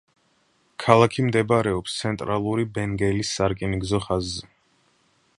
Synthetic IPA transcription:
kʰalˠakʰimd̪ɛbɾɛɔpst̪sʰɛnt̪ʼɾalˠuɾibɛŋɡɛlisːaɾkʼiniɡzɔχazːɛ

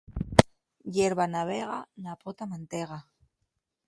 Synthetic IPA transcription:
jeɾβanaβeɣanapot̪amãnt̪eɣa

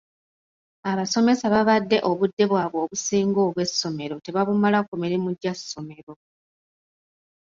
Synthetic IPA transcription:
aβaso̞me̞saβaβadːe̞ʔo̞βudːe̞βwaːβwo̞ːβusiːŋɡo̞ːβwe̞sːo̞me̞ɾo̞te̞βaβumalakomeɾemuɟːasːo̞me̞ɾo̞

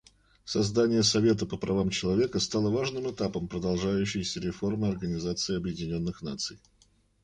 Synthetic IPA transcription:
sɐzd̪anʲɪjəsɐvʲe̞t̪əpəpɾɐvamt͡ɕɪlˠɐvʲekəst̪alˠəvaʐnɨmɨt̪apəmpɾəd̪ɐlˠʐajʉɕːɪjsʲəɾʲɪfo̞rmɨɐrɡənʲɪzat̪sɨɪɐbjɪdʲɪnʲo̞nːɨxnat̪sɨj

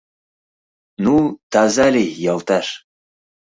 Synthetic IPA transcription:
nut̪ɑzɑlʲijɑlˠt̪ɑʃ

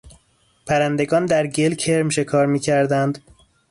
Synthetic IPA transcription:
pʰæɾænd̪e̞ɡɒːnd̪æɾɟelcʰeɾmʃe̞kʰɒːɾmiːcʰæɾd̪ænd̪

